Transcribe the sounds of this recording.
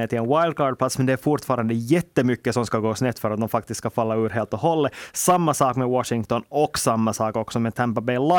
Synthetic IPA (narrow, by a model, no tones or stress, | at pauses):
eːʈ̪ɪlɛnwajld̪̚kʰɑːɾɖ̚pʰlat̪smɛnd̪ɛæɾfʊʈfɑːɾand̪əjɛt̪ːəmʏkːəsɔmskaɡoːsnɛt̪fœɾat̪̚d̪ɔmfak̚t̪ɪst̪skafalːaʉːɾɦeːlt̪ɔhɔlːəsamːasɑːkmɛwɑʂɪŋt̪ɔnɔksamːasɑːkɔksɔmɛnt̪ʰɛmpabeɪla